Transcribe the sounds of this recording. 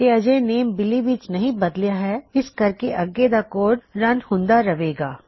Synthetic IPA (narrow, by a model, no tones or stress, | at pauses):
eɐd͡ʒeneːmbɪliʋit͡ʃnɐɦĩbɐd̪lijaɦɛɪskɐɾkeʔɐɡed̪akoːɖɾɐ̃nhʊ̃nd̪aɾɐʋeːɡaː